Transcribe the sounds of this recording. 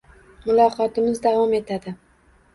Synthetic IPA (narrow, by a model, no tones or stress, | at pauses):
mʊlˠɒqɒt̪ɪmɪzd̪avɒme̞t̪ʰad̪ɪ